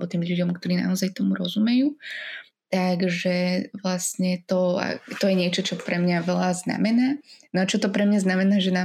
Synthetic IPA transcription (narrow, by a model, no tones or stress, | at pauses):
bɔt̪iːmʎuɟɔmkt̪ɔɾiːna̰ɔzajt̪ɔmuɾɔzumɛjuː | t̪aɡʒɛʋlasɲɛt̪ɔa̰t̪ɔjɛɲɪɛt͡ʃɔt͡ʃɔpɾɛmɲaʋɛlazna̰mɛnaːnɔat͡ʃɔt̪ɔpɾɛmɲaznamɛnaːʒɛna